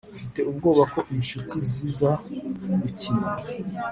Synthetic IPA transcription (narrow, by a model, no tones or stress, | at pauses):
ufite̞ub̚ɡo̞ːβako̞ʔimiʃutizizaɡuciːna